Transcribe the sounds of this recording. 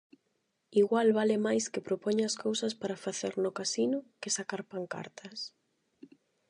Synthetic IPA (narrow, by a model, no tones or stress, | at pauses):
iɣwalβalɪmajskɪpɾopɔɲɐskowsɐspaɾafaθeɾnʊkasinʊkɪsakaɾpaŋka̰ɾt̪ʰɐs